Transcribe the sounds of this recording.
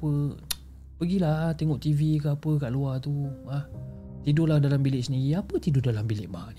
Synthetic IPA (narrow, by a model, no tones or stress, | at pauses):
pə | pəɡilat̪eŋɔʔt̪ivikəapəkaʔluat̪ubah | t̪idolahdalambilɪʔsəniɣiapət̪idʊdalambilɪʔbahni